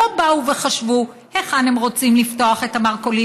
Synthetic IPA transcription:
obauve̞χaʃvu | heχanemʁo̞t͡simlifto̞aχe̞tamaʁko̞li

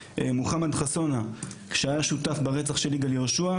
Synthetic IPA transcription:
emuχamad̪χaso̞nakʃeajaʃutafbaʁet͡saχʃe̞liɡaljeoʃua

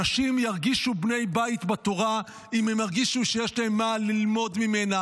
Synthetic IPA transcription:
aʃimjaʁɡiʃubne̞jbait̪bat̪o̞ʁa | imemjaʁɡiʃuʃejeʃlaemːalilmo̞dmimena

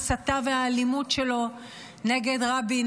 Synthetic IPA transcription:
sat̪aveaːlimutʃe̞lo̞ | ne̞ɡe̞dʁabin

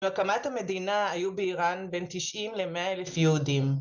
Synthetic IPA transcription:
akamat̪hame̞d̪inaajubeiʁanbent̪iʃʔimlemeaelefjeudim

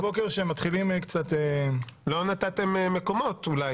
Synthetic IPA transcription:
bo̞keʁʃemat̪χilimekt͡sat̪elo̞nat̪at̪e̞memeko̞mo̞t̪ulaj

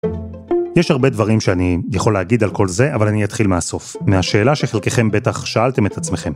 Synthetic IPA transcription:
jeʃhaʁbe̞d̪vaʁimʃeanijaχo̞leaɡid̪alko̞lze̞ʔavalanijat̪χilmeaso̞fmeaʃe̞ːlaʃeχelke̞χe̞mbe̞taχʃaalt̪e̞me̞t̪at͡sme̞χe̞m

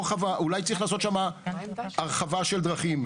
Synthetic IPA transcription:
χavaʔulajtt͡sʁiχlaːso̞t̪ʃama | aʁχavaʃeld̪ʁaχim

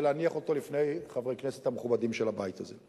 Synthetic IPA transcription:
leaniaχo̞t̪o̞lifne̞jχavʁejknese̥thameχubadimʃelabajt̪aze

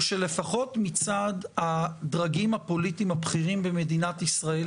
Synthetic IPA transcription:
ʃele̞faχo̞tmit͡sadhadʁaɡimhapo̞litimabχiʁimbeme̞dinatisʁae

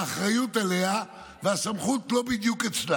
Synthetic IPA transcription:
χʁajut̪alea | veasamχut̪lo̞bid̪juket͡sda

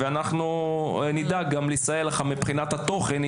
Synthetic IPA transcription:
veanaχnunid̪aɡamlisajeleχamipχinat̪hat̪o̞χen

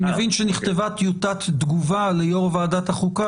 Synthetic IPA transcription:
mevinʃeniχt̪evat̪jut̪at̪d̪ɡuvalejoʁvaːdat̪haχuka

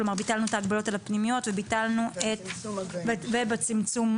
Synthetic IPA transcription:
loaʁbitalnuetaːɡbalo̞talapnimijo̞tvebitalnuetvevebet͡simt͡sum

